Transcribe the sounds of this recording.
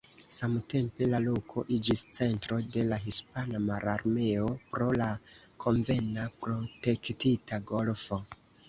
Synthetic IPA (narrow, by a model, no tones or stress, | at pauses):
samte̞mpe̞lalo̞kʰo̞ʔid͡ʒist͡se̞ntɾo̞de̞laɦispanamaɾaɾme̞o̞pɾo̞lakʰo̞ɱve̞napɾo̞te̞ktitaɡo̞lfo̞